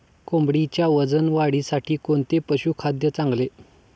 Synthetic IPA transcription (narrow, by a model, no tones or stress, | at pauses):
kombɽit͡ɕjaʋəd͡zənʋaɽisaʈʰiːkoɳt̪epəɕuːkʰad̪jət͡sãŋɡle